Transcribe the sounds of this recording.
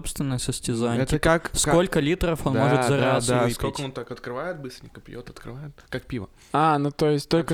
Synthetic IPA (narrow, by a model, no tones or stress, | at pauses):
opst̪vʲɪnːəjəsəsʲtʲɪzanʲɛəaskko̞lʲkəlʲit̪ɾəfo̞nmo̞ʐɨzɐɾazaikɪəont̪akɐt̪kɾɨvajɪt̪̚bɨst̪ɾʲɪnʲɪkəpʲjot̪ɐt̪kɾɨ̰vajɪt̪kak̚pʲivə̰ | anut̪ojɪsʲtʲt̪olʲkə